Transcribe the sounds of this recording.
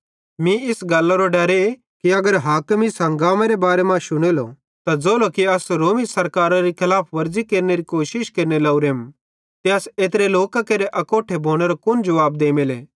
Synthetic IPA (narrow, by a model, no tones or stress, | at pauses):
mĩɪsɡɐlːaɾoɖɐɾe | kiɐɡəɾɦaːkmisɐ̃ŋɡaːmãɾebaːɾemãʃʊɽ̃eːlo̰ | t̪ad͡zoːlokiɐsɾoːmisɐɾkaːɾaɾikʰɪlaːpʰʋɐɾd͡zikeːɾneɾikoːʃɪʃkeːɾnelaːuɾem | t̪eɐseːt̪ɾeloːkakeɾeʔɐkoːʈʰebʱoːɽ̃eɾokʊnd͡ʒɐʋaːb̚d̪eːmeleː